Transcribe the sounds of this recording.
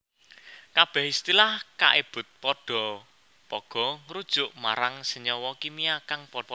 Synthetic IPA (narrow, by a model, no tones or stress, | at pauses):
kab̥ɛ̤hist̪ilahka̰ʔeb̥ʊ̤t̪̚pɔɖ̥ɔ̤ | pɔɡ̥ɔ̤ŋɾud̥ʒ̥ʊʔma̰ɾaŋsəɲɔwɔkimiakaŋpɔ